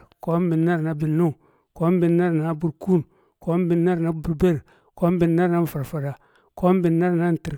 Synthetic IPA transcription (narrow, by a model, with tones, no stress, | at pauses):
ko˦m˦bi˨nːa˦ɾna˨bi˨nːu˦˨ | ko˦m˦bi˨nːa˦ɾna˨bu˨ɾku˦n | ko˦m˦bi˨nːa˦ɾna˦bu˨ɾbe˦ɾ | ko˦m˦bi˨nːa˦ɾna˦n˦˨fa˨ɾfa˨ɾa˨ | ko˦m˦bi˨nːa˦ɾna˦n˨ti˨ɾ